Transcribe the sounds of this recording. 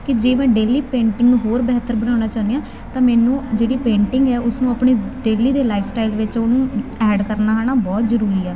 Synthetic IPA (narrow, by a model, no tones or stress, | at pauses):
kɪd͡ʒeːmɛ̃ːɖeːliːpẽːɳʈɪŋɡnũːɦoːɾbɛːt̪ːəɾbənaːñaːt͡ʃaːndijãː | t̪ãːmɛːnũːd͡ʒeːɽiːpẽːɳʈɪŋɡɛːʊsnũːəpɳiːɖeːliːd̪eːlaːɪpʰsʈaːɪlʋɪt͡ʃonũːɛːɖkəɾnaːɦaːɳaːbɔːt̪zəɾuːɾiːɛː